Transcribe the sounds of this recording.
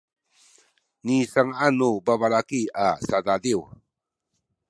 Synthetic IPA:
nisaŋaanubabalakiasadadiw

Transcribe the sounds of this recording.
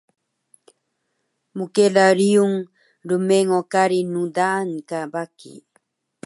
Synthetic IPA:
mukelaɾiuŋ | ɾumeŋokaɾinudankabakḭ

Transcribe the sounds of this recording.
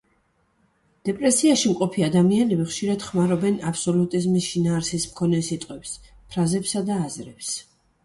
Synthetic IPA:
d̪̥ɛpʼɾɛsiaʃimqʼɔpʰiad̪amianɛbiχʃiɾad̪̥χmaɾɔbɛnapsɔlut̪ʼizmisʃinaːɾsismkʰɔnɛsit̪ʼqʼwɛps | pʰɾazɛpsad̪aːzɾɛps

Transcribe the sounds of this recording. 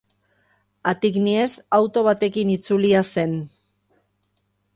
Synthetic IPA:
at̪iknie̞sawt̪o̞β̞at̪e̞kinit͡suliase̞n

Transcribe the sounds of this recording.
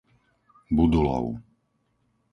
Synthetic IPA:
bud̪ulɔ̰ʊ

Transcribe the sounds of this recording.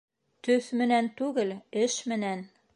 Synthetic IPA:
t̪ɵθmɘ̆nænt̪ʉɡɘlɘʃmɘ̆næn

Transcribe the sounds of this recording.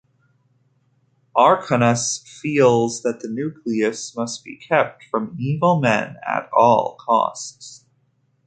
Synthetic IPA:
ʔɑɹkʰənɨsfilˠzðɨt̪̚ðɨnʉkʰliɨsmʌst̚b̥ḭkʰɛp̚tfɹʌ̃mivl̩ˠmɛ̰̃nɨ̰ɾɔlˠkʰɔ̰sts

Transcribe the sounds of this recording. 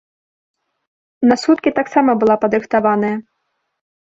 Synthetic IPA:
nɐsut̪̚kʲit̪aksamɐbɨlˠapɐd̪ɾɨxt̪avanɐjɐ

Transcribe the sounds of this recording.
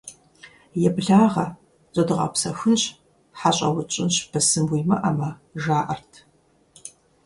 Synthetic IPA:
jɛbɮaːʁɐ | t͡ʃʼɐdɨʁɐ̰psɐxʷʊnɕ | ħaɕʼɐ̰wʊt͡ʃʼɪnɕbʰɐsɨmwiːmɐʔɐmɐʒaːʔɐrtʰ

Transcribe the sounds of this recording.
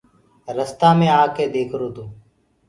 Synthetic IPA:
ɾəst̪aːmẽːaːkːeːd̪eːkʰɾoːd̪oː

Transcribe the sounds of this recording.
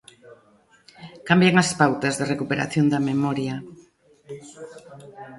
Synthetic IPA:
kambjaŋɐspawt̪ɐzðerekupeɾa̰θjond̪ɐmemɔɾjɐ

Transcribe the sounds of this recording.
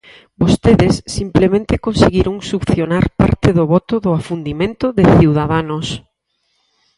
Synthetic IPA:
bost̪eðɪsːimplemẽnt̪ɪkonseɣiɾuŋsupθjonaɾpa̰ɾt̪ɪðʊβɔt̪ʊðʊafund̪imẽnt̪ʊðɪθiwðaðanos

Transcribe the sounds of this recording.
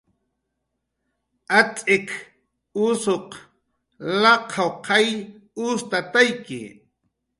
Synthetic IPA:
at͡sʼɪk | ʊsoq | lɑqʰawqʰɑj | ʊst̪at̪ajkɪ̰

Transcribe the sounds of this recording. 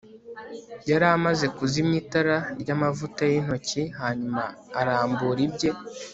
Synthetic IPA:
jaɾamaze̞kuzimɲitaɾaɾɟamavutajin̥o̞ciɦaːɲumaːɾaːmbuːɾibɟe̞

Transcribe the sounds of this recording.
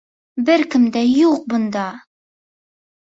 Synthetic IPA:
bɘɾkɘ̆md̪æjuq̚bŏnd̪ɑ

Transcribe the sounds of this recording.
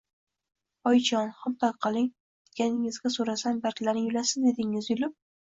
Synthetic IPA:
ɒjt͡ʃʰɒnχamt̪ʰakqʰɑlˠɪŋ | ɪɡʲanɪŋɪzɡʲasoɾasanbalkʲʰɪlaɾnɪjʊlasɪzd̪e̞d̪ɪŋɪzjʊlɪp̚

